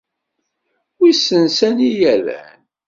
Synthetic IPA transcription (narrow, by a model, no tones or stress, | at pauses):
isənsænijælæ̰n